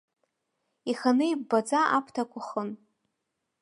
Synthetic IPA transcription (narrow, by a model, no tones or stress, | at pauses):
iχanɨibbad͡zaʔapʰtʰakʷʰʊχən